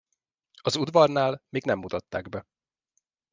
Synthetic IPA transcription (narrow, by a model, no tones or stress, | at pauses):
ɒzud̪vɒrnaːlmeːɡnɛmːut̪ɒt̪ːa̰ːɡbɛ